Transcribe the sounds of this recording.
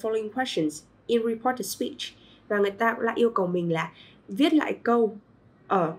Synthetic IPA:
fɔ˧lo˧i˧ŋkʰwɛ˦˥st͡ʃə˨˩nz | ʔi˧nɹi˨˧pʰɔ˦˥tə˨spi˦˥t͡ʃ | vaː˨˩ŋɨ˨˩əjt̪aː˧kʊ̰˧˥la̰ː˧˨ʔi˧əwkə˨˩wmï˨˩ŋ̟laː˨˩ | vi˦˥ət̚la̰ː˧˨jkə˧w | ʔəː˨˩

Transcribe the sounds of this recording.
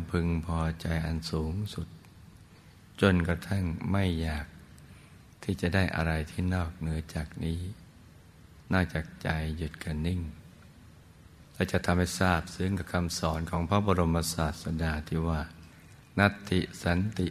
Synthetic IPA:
pʰɯ˧ŋpʰɔː˧t͡ɕa˧jʔa˧nsuː˨˩˦ŋsu˨˩t̪̚ | t͡ɕo˧nka˧t̪ʰa˥˩ŋma˥˩jːaː˨˩k̚ | t̪ʰiː˥˩t͡ɕa˨˩daː˥˩jʔa̰˧ɾa˧jt̪ʰiː˥˩nɔː˥˩k̚nɯ˩˦ɐt͡ɕaː˨˩k̚niː˦˥ | nɔː˥˩t͡ɕaː˨˩k̚t͡ɕa˧jːu˨˩t̪̚ka˧˩nːi˥˩ŋ | lɛː˦˥˩wt͡ɕa˨˩t̪ʰa˧mha˥˩jsaː˥˩p̚sɯ˦˥˨ŋka˧˩kʰa˧msɔː˩˦nkʰɔː˩˦ŋpʰɾa˦˥bɔː˧ɾo˧mpa˧saː˨˩t̪̚sa˧daː˧˩t̪ʰiː˧˥˩waː˧˩ | na˦˥t̪ʰːi˨˩sa˨˦nt̪i˨˩

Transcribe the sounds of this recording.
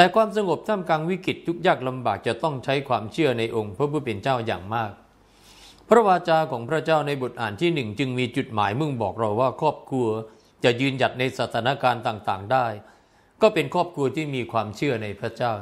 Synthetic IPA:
t̪ɛː˨˩kʰwaː˧ms̬a˧ŋo˨˩p̚t̪ʰa˥˩mkaː˧ŋwi˦˥ki˨˩t̪̚ʰːu˦˥k̚jaː˥˩k̚la˧mbaː˨˩k̚t͡ɕa˨˩t̪ɔ˥˩ŋt͡ɕʰa˦˥jkʰwaː˧mt͡ɕʰɯ˥˩əna˧jʔo˧ŋpʰɾa˦˥pʰu˦˥t̪̚pːe˧nt͡ɕaː˥˩wja̰ː˨˩ŋmaː˥˩k̚ | pʰɾa˦˥waː˧t͡ɕaː˧kʰɔː˩˦ŋpʰɾa˥t͡ɕaː˥˩wna˧jbo˨˩t̪̚ʔaː˨˩nt̪ʰiː˥˩nɯ˨˩ŋt͡ɕɯ˧ŋmiː˧t͡ɕu˨˩t̪̚maː˩˦jmɯ˥˩ŋbɔː˨˩k̚ɾa˧wːaː˥˩kʰɔː˥˩p̚kʰɾu˧ə | t͡ɕa˨˩jɯː˧nja˨˩t̪̚na˧jsaː˨˩t̪ʰaː˩˦na˦˥kaː˧nt̪aː˨˩ŋt̪aː˨˩ŋdaː˥˩j | kɔː˥˩pe˧nkʰɔː˥˩p̚kʰu˧ɐt̪ʰiː˥˩miː˧kʰwaː˧mt͡ɕʰɯ˥˩ɐna˧jpʰɾa˦˥t͡ɕaː˥˩w

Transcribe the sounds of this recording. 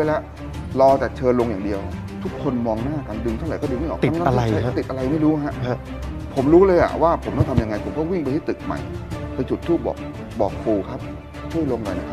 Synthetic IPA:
a˧˩lɛ˦˥ʔ | lɔː˧t͡ɕa˨˩t͡ɕʰɤː˧nlo˧ŋjaː˨˩di˧əwʔa˨˩ | t̪ʰu˦˥kʰːo˧nmɔː˧ŋnaː˥˩ka˧ndɯ˧ŋt̪ʰa˥˩wa˩˦jkɔː˥˩dɯ˧ŋma˥˩jʔɔ˨˩t̪i˨˦mː˥˨˥a˧˨a˧ja˥˩˦t̪i˨˩t̪̚ʔa˧a˧jma˥˩jɾuː˦˥ɦa˦˥ʔʰ | pʰo˨˩˦mɾuː˦˥lɤː˧jʔa̰˨˩waː˥˩pʰo˩˦mt̪ɔ˥˩ŋt̪ʰmja˧ŋa˧jpʰo˨˩˦mkɔː˥˩wi˥˩ŋpa˧jt̪ʰi˥˩t̪ɯ˨˩k̚ma̰˨˩jpa˧jt͡ɕʰu˨˩t̪ʰːuː˥˩bɔ̰ː˨˩k̚ | bɔː˨˩k̚pʰuː˧kʰa˦˥p̚ | t͡ɕʰu˥˩əjlo˧ŋnɔ̰˨˩jna˦˥kʰa˦˥

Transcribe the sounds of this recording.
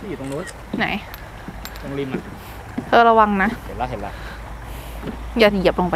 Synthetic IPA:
a˧iː˨˩t̪o˧ŋnuː˦˥ | na̰˨˩˦j | t̪o˧ŋli˧nma˧˩ | t̪ʰɤː˧ɾa˧wa˧ŋna˦˥ʔhe˨˦nla˦˧ɦe˨˩˦la̰˦˧˥ | jaː˨˩t̪i˨˩i˨˩˦p̚lo˧ŋpa˧

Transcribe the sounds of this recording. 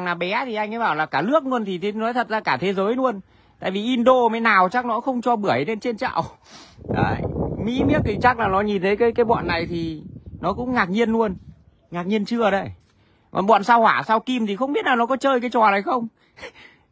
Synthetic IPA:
ŋnaː˨˩ɓɛ˨˦t̪ʰi˨˩ʔa˧jŋʔaː˨˦jɓaː˧˩wlaː˨˩kaː˧˩lɨ˦˥ək̚lu˧ənt̪ʰi˨˩t̪ʰe˨˦nɔ˨˦jt̪ʰə˨˩t̚zaː˧kaː˧˩t̪ʰe˨˦zəː˨˦jlu˧ən | t̪a̰ː˧˨jvi˨˩ʔi˧nɗo˧maː˨˦jnaː˨˩wt͡ɕa˦˥k̚nɔ˨˦xə˧wŋ͡mt͡ɕɔ˧ɓɨ˧˩əjne˧nt͡ɕe˧nt͡ɕa̰ː˧˨w | ə̰ː˧˨˩jmḭ˧˥mi˦˥ək̚t̪i˨˩t͡ɕa˦˥k̚laː˨˩nɔ˨˦ɲi˨˩nt̪ʰə˨˦jkaː˨˦jkaː˨˦jɓɔ̰˧˨nːa˨˩jt̪ʰi˨˩nɔ˨˦kʊ̰˧˥ŋ͡mŋaː˨˩k̚ɲi˧ənlu˧ən | ŋaː˨˩k̚ɲi˧ənt͡ɕɨ˧əɗə˧˦j | ɔ̰˨nɓɔ̰˧˨nsaː˧whwaː˧˩saː˧wki˧mt̪ʰi˨˩xə˧wŋ͡mɓi˦˥ət̚laː˨˩nɔ˨˦kɔ˨˦t͡ɕəː˧jkaː˨˦jt͡ɕɔ˨˩na˨˩jxə˧wŋ͡m

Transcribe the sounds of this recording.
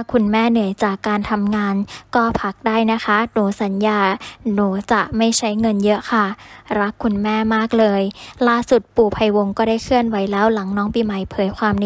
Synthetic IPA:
kʰːu˧nmɛː˥˩nɯ˨˩˦əjt͡ɕaː˨˩kːaː˧nt̪ʰa˧mŋaː˧nkɔː˥˩pʰa˦˥k̚daː˥˩jna˦˥kʰa˦˥nuː˩˦sa˩˦njaː˧nuː˩˦t͡ɕa˨˩ʔma˥˩jt͡ɕʰa˦˥jŋɤ˧njɤ˦˥ʔkʰa˥˩ɾa˦˥kʰːu˧nmɛː˥˩maː˥˩k̚lɤː˧jlaː˥˩su˨˩t̪̚puː˨˩pʰa˧jwo˧ŋkɔː˥˩daː˥˩jkʰɯ˥˩ənwa˨˦jlɛː˦˥wla˩˦ŋnɔː˦˥ŋpiː˧˩ma˨˦jpʰɤː˨˦jkʰwaː˧mn˧

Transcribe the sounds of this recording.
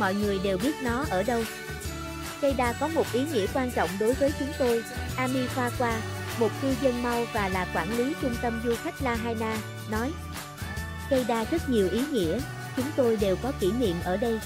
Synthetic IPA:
mɔ̰˧˨jŋɨ˨˩əjɗe˨˩wɓi˦˥ət̚nɔ˨˦ʔəː˧˩ɗə˧w | kə˧jɗaː˧kɔ˨˦mo˨˩t̚ʔi˨˦ŋḭ˧˩əkwaː˧nt͡ɕɔ̰˧˨wŋ͡mɗo˨˦jvəː˨˦jt͡ɕʊ˨˦ŋ͡mt̪o˧jʔaː˧mi˧xwaː˧kwaː˧ | mo˨˩t̚t̪i˧zə˧ŋma˧wvaː˨˩laː˨˩kwaː˧˩nli˨˦t͡ɕʊ˧ŋ͡mt̪ə˧mzu˧xa˦˥k̚laː˧ɦaː˧jnaː˧ | nɔ˨˦j | kə˧jɗaː˧zə˦˥t̚ɲi˨˩əwʔi˨˦ŋḭ˧˥ə | t͡ɕʊ˨˦ŋ͡mt̪o˧jɗe˨˩wkɔ˨˦ki˧˩nḭ˧˨əmʔəː˧˩ɗə˧j

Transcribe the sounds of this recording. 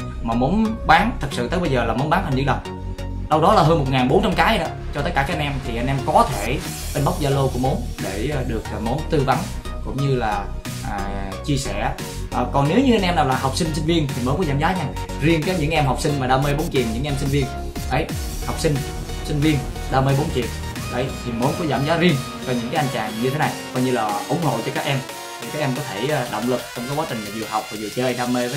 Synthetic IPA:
maː˨˩mo˨˦nɓaː˨˦ŋt̪ʰɨ˨˩k̚sɨ̰˧˨t̪ə˦˥ɓə˧jzəː˨˩laː˨˩mo˨˦nɓaː˨˦nt̪a˨˩ŋzɨ̰˧˥ɗə˨˩ŋ͡m | ɗə˧wɗɔ˨˦laː˨˩ɦəː˧nmo˨˩t̚ŋaː˨˩ɓo˨˦nt͡ɕa˧mkaː˨˦jɗɔ̰˨˦t͡ɕɔ˧t̪ə˦˥t̚kaː˧˩kːa˧nʔɛ˧mt̪ʰi˨˩ʔa˧nʔɛ˧mkɔ˨˦t̪ʰe˧˩ | ɓe˧nɓa˦˥wk͡p̚zaː˧lo˧ku˧˩əmo˨˦n | ɗe˧˩˨ɗɨ˨˩ək̚ːmo˨˦nt̪ɨ˧va˨˦n | kʊ̰˧˥ŋ͡mɲɨ˧laː˨˩ | ʔaː˨˩t͡ɕi˧əsɛ̰˧˩˨ | ʔə˨˩kɔ˨˩nne˨˦wɲɨ˧ʔa˧nʔɛ˧mnaː˨˩wlaː˨˩ɦa˨˩wk͡p̚si˧ŋ̟si˧ŋ̟vi˧ənt̪ʰi˨˩məː˨˦kɔ˨˦zaː˧˦mzaː˨˦ɲa˧ | zi˧ənkaː˨˦jɲɨ̰˧˥ŋʔɛ˧mɦwk͡p̚si˧ŋ̟maː˨˩ɗaː˧mɨ˧jɓo˨˦nt͡ɕi˨˩ənɲɨ̰˧˥ŋʔɛ˧msi˧ŋ̟vi˧ən | ʔə˨˦j | ha˨˩wk͡p̚sï˧ŋ̟ | sï˧ŋ̟vi˧ən | ɗaː˧mɨ˧jɓo˨˦nt͡ɕḭ˨˩ən | ɗə˨˦jt̪ʰi˨˩mo˨˦nkɔ˨˦za̰ː˧˩mzaː˨˦zi˧ən | kɔ˧ɲɨ̰˧˥ŋkaː˨˦jʔjŋ̟t͡ɕa̰ː˨˩ŋɲɨ˧t̪ʰe˨˦na˨˩jkɔ˧jɲɨ˧laː˨˩ʔʊ˧˩ŋ͡mho̰˧˨t͡ɕɔ˧kaː˦˥k̚ʔɛ˧m | t̪ʰi˨˩kaː˨˦˥k̚ʔɛ˧mkɔ˨˦t̪ʰeː˧˩˨ɗo̰˧˨wŋ͡mlɨ˨˩k̚t͡ɕɔ˧wŋ͡mkaː˨˦jkwaː˨˦t͡ɕï˨˩ŋmaː˨˩zi˨˩əwha˨˩wk͡p̚vaː˨˩zɨ˨˩t͡ɕəː˧jɗaː˧me˧˦

